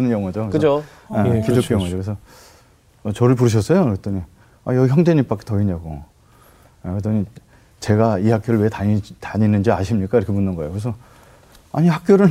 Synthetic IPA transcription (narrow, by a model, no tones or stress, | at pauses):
nɯɲjʌŋwad͡ʑokeɯo | ekidok͈ejʌŋwad͡ʑokɾesʰʌ | ʌt͡ɕʌɾɯɭpuɾɯɕ̬ʰʌs͈ʌjoet͈ʌɲi | ajʌɡiçjʌŋd͡ʑeɲimp͈ak͈e̥tʌiɲaɡo̰ | ket͈ʌɲi | t͡ɕe̞ɡaihak͈joɾɯɭwe̞taitaɲinɯnd͡ʑiaɕʰimɲik͈aiɾʌkʰbundɯnɡʌḛjokɯɾesʰʌ | a̰ɲihak̚k͈joɾɯɭ